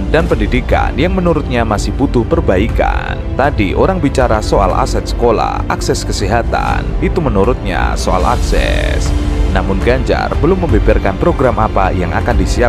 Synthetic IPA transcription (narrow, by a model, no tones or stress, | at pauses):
danpəndidika̰njaŋmənuɾʊt̪̚ɲamasɪhbut̪ʊhpərbaika̰nt̪adiʔoɾaŋbit͡ʃaɾasoa̰lʔa̰sɛt̪̚sə̥kola̰hʔaksɛskəsiɦat̪a̰nit̪umənuɾʊt̪̚ɲa̰soa̰la̰ksɛ̰snamʊnɡaɲd͡ʒa̰rbəlʊmːəmbebarkanpɾoɡɾamapajaŋʔa̰kandisia